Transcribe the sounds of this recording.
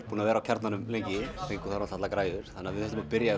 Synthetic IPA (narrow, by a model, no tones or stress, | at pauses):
puːnavɛːɾawcʰaɾt̪nanʏmlejɲcɪθejŋkʏθaɾasatlakɾaːjðʏɾ̥θanːavɪθɛht̪ʏmapɪɾja